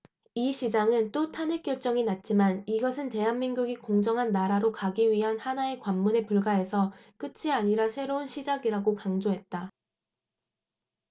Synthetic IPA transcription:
iɕʰid͡ʑaŋɯnt͈otʰanɦek͈jʌɭt͡ɕ͈ʌŋinat̚t͡ɕ͈imaniɡʌsʰɯnte̞ɦanmiŋɡuɡikoŋd͡ʑʌŋɦanːaɾaɾokaɡiɥiɦanhanae̞kwamːune̞puɭɡae̞sʰʌk͈ɯt͡ɕʰiaɲiɾasʰe̞ɾounɕʰid͡ʑaɡiɾaɡokaŋd͡ʑoɦe̞t̚t͈a

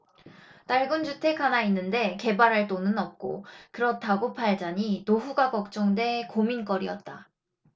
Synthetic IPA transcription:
t͈aɭɡund͡ʑutʰe̞kʰanainːɯnde̞ke̞baɾɦaɭt͈onɯnʌp̚k͈o̰kɯɾʌtʰaɡopʰaɭd͡ʑaɲinoɸuɡakʌk̚t͡ɕ͈ʌŋde̞komink͈ʌɾiʌt̚t͈a

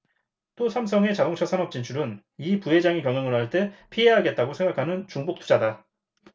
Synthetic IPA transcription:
t͈osʰamsʰʌŋe̞t͡ɕadoŋt͡ɕʰasʰanʌp̚t͡ɕ͈int͡ɕʰuɾɯn | ipuɦe̞d͡ʑaŋikjʌŋjʌŋɯɭɦaɭt͈e̞pʰiɦeɦaɡe̞t̚t͈aɡosʰe̞ŋɡakʰanɯnt͡ɕuŋbok̚t͈ʰud͡ʑada

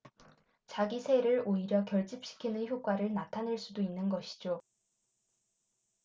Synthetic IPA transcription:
t͡ɕaɡisʰe̞ɾɯɭoiɾjʌkjʌɭt͡ɕ͈ip̚ɕ͈i̥kʰinɯnçjok͈waɾɯɭnatʰanɯɭs͈udoinːɯnɡʌɕʰi̥d͡ʑo

